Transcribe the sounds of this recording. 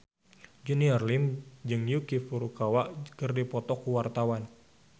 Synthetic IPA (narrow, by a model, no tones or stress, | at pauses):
d͡ʒuniɔrlimd͡ʒɨŋjukifuɾukawaʔkɨrdipɔt̪ɔkuwart̪awan